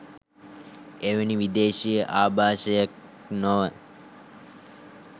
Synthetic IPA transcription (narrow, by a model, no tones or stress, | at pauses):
eʋəniʋid̪eːʃijəʔaːbʱaːʃəjək̚ | noʋə